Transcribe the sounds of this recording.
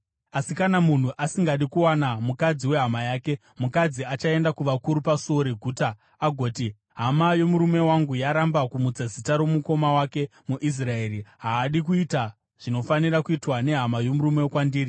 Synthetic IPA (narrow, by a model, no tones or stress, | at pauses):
asikanamun̤uʔasiŋɡaɗikuwanamukad͡ziwe̞ɦamajaːke̞ | mukad͡ziat͡ʃae̞ndakuʋakuɾupasoɾeɡʱuːtaː | ɡʱo̞ːti | ɦamajo̞muɾume̞waŋɡujaɾambakumud͡zazitaɾo̞muko̞mawake̞muʔis̬rae̞ːriɦaːɗik̬uita | ʐ̥ino̞faniɾakuitwane̞ɦamajo̞muɾume̞kwandiːri